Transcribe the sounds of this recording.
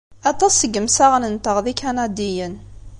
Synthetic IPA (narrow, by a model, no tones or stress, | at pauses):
ɑt̪ˤɑsəɡəmsaʁnənt̪əʁðikanɑd̪ijən